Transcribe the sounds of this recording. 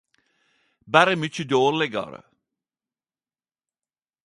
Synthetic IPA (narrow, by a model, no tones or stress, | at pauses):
bæɾəmʏt͡ʃəd̪oːlɪɡɑ̰ɾə̰